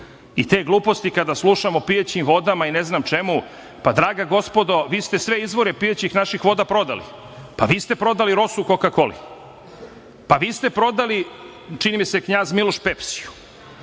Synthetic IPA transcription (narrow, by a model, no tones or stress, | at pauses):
it̪e̞ːɡlˠuːpost̪ikad̪aslˠuʃamo̞piet͡ɕimʋo̞d̪amaineznamt͡ʃe̞mu | pad̪ɾaːɡaɡo̞spo̞d̪o̞ʋiːst̪e̞sʋe̞izʋo̞ɾepiet͡ɕixnaʃixʋo̞d̪apɾo̞d̪a̰lḭ | pa̰ʋiːst̪e̞pɾo̞d̪aliɾo̞sukokakolḭ | paʋiːst̪e̞pɾo̞d̪ali | t͡ʃinimisekɲaːzmiloʃpepsiju̥